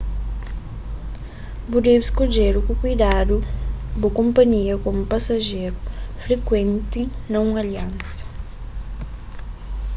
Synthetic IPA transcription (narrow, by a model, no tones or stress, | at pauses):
bud̪ewɪskod͡ʒeɾʊkʊkujd̪ad̪ubʊkõmpɐɲiɐkomʊpasaʒeɾʊfɾekwẽnt̪ɪnɐũmɐaliɐ̃nsɐ̥